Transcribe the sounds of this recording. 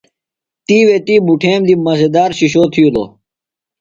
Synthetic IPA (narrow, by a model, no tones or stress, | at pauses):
t̪iːwet̪iːbuʈʰeːmd̪imɐzed̪aːɾɕiɕoːt̪ʰijulo̰